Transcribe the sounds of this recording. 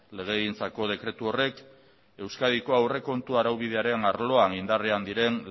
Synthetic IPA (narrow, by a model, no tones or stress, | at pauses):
le̞ɣ̞e̞ɣint͡sako̞ð̞e̞kɾe̞t̪uo̞re̞k | e̞wskað̞iko̞awre̞ko̞nt̪uaɾawβ̞ið̞e̞aɾe̞naɾlo̞aŋind̪areand̪iɾe̞n